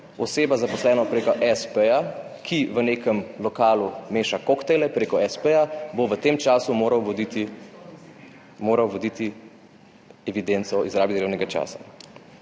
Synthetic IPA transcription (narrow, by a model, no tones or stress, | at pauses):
ɔseːbazapɔslɛːnɔpɾeːkɔʔɛspeja | kʰiʋəneːkəmlɔkaːlumeːʃakokt̪elɛpɾeːkɔɛspejaboʋət̪eːmt͡ʃaːsumoːɾawʋɔd̪it̪i | moːɾawʋɔd̪it̪i | ɛʋid̪ent̪sɔizɾaːbid̪ɾewnɛɡat͡ʃa̰ːsḁ̰